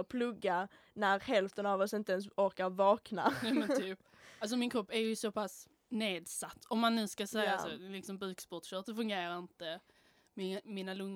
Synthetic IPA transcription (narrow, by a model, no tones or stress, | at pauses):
pʰlɵɡːa | næɾhɛlft̪ənavɔsɪnt̪əɛns̬ɔɾkaɾvɑːknamɛnt̪ʰyːp | als̬ɔmɪnkʰɾɔpːæɾjɵsɔpʰas | neːd̪sat̪ʰːɔmːanːʉ̟ːskasɛjaasɔlɪksɔmbʉːkspɔʈɕœt̪sɔfɵŋɡeːɾaɾɪnt̪ə | mɪmiːnalɵŋː